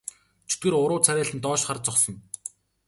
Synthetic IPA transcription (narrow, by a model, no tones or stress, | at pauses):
t͡ɕʰɵ̥t̪̚ɡɘ̆ɾʊɾʊːt͡sʰæɾʲæːɬɘ̆nt̪ɔːʃχart͡sɔχsɞ̆ŋ